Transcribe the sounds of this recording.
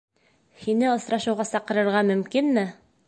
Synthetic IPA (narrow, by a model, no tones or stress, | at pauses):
hinɘɤ̆sɾɑʃɤ̆wʁɑsɑqɤ̆ɾɤ̆ɾʁɑmɵ̆mkinmɘ